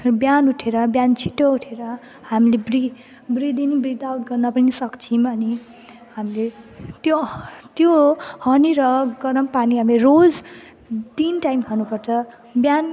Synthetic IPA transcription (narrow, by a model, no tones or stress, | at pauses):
bjanuʈʰeɾʌbjant͡sʰi̥ʈouʈʰeɾʌ | hamilebri | brid̪inibrid̪awʈɡʌrnʌpʌnisʌkt͡sʰimʌni | hamilet̪jot̪johʌniɾʌɡʌɾʌmpaniɦamilerod͡z | d̪inʈajmkʰʌnupʌrt͡sʰʌ | bjan